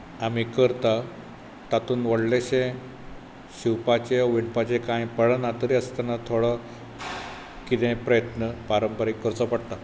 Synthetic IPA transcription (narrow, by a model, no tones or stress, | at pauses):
amikəɾt̪a | t̪at̪uːnʋəɽleɕẽ | ɕiwpat͡ɕeʋiɳpat͡ɕẽkãjpəɭənat̪əɾiəst̪anat̪ʰoɽa | kit̪ɛ̃pɾəjət̪nəpaɾəmpəɾikːəɾt͡səpəɽt̪a